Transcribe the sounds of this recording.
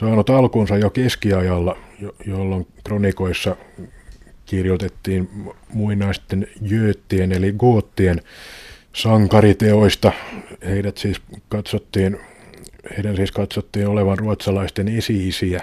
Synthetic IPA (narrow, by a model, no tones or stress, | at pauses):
sɑːnut̪ɑlkunsɑjokeskiɑjɑlːɑjojolːoŋkronikoisːɑ | kirjot̪et̪ːiːnmuinɑist̪enjyøːt̪ːieneliɡuot̪ːien | sɑŋkɑrit̪eoist̪ɑheidæt̪siːskɑt̪sot̪ːiːn | heidænsiːskɑt̪sot̪ːiːnoleʋɑnruɑt̪sɑlɑist̪enesiːsiæ